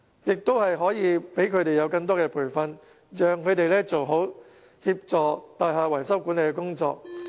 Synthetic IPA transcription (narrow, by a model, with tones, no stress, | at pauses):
jɪ˨k̚t̪o˥whɐ˨jɦɔː˨˥jiː˨˧pe˨˥jkʰɵ˨˧t̪e˨jɐ˨˧wkɐ˧ŋt̪̬ɔː˥kɛː˧pʰuː˨˩jfɐ˨n | jœː˨ŋkʰɵ˨˧t̪e˨jlɛː˥t͡so˨wɦo˨˥w | hiː˧p̚t͡sɔː˨˧t̪aː˨jɦaː˨wɐ˨˩jsɐ˥wkuː˨˥nle˨˧kɛ˧kʊ˥ŋt͡sɔ̰ː˧k̚